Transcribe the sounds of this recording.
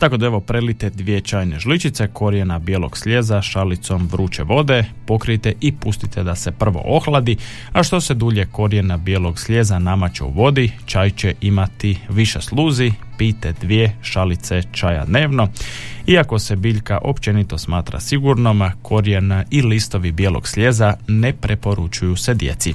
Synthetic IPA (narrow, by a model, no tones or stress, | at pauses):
t̪ako̞d̪aeʋo̞pɾelit̪ed̪ʋijet͡ʃaːjneʒlit͡ʃit̪se̞kʰo̞ɾjenabjelo̞̰ɡ̥sʎezaʃalit̪so̞mʋɾuːt͡ʃeʋo̞d̪e̞po̞kɾit̪eʔipust̪it̪ʰed̪asepr̩ʋo̰ʔoxlˠad̪i | aʃt̪o̞sed̪uːʎe̞ko̞ɾje̞nabjelo̞ɡsʎezanamat͡ʃḛṵʋo̞d̪it͡ʃaːjt͡ɕeʔimat̪iʋiʃeslˠuːzipiːt̪ed̪ʋjeʃalit̪se̞t͡ʃaja̰d̪ne̞ːʋno̞iako̞sebiːʎkaʔo̞pt͡ʃe̞nit̪o̞smaːt̪ɾa̰siɡuɾnomkʰo̞ɾjenailist̪o̞ʋibjelo̰ɡ̥sʎe̞zanepɾepo̞ɾut͡ʃujused̪jḛt̪si